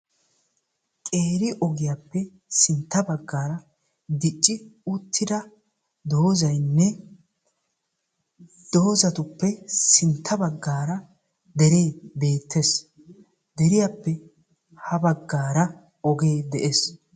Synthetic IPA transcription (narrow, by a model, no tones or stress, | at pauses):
kʼeːɾɪʔɔɡɪjapːɛ | sɪnt̪ːɐbɐɡːaːɾɐ | d̪ɪt͡ʃʼːɪʊt̪ʰːɪd̪ɐ | d̪o̞ːzɐjnːɛ | d̪̥oːzɐt̪ʊpːɛsɪnt̪ʰːɐbɐɡːaːɾɐ | d̪ɛɾeːbe̞ːt̪ʰːes | d̪ɛɾɪjapːɛ | hɐbɐɡːaːɾɐ | ɔɡe̞ːd̪ɛʔes